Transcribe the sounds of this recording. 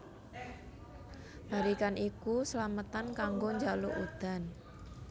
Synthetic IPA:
b̥a̤ɾikanʔikusəlamət̪ankaŋɡoɲd͡ʒaloʔud̪̥a̤n

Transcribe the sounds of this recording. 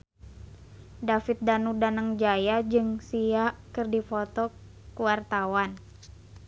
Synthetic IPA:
dafit̪̚danudanəŋd͡ʒajad͡ʒɨŋsiakɨrdifɔt̪ɔ | kuwart̪awan

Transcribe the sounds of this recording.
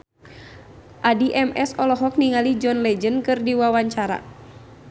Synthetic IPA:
ʔadiʔɛmʔɛsɔlɔɦɔk̚niŋalid͡ʒɔnlɛd͡ʒənkɨrdiwawaɲt͡ʃaɾa̰

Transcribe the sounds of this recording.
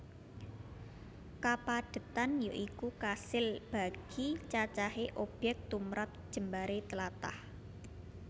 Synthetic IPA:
kapad̥ə̤t̪anjo̰ʔikukasɪlb̥a̤ɡ̥it͡ʃat͡ʃaɦeʔob̥ɛk̚t̪umɾat̪̚d̥ʒ̥ə̤mbaɾet̪əlat̪a̰h

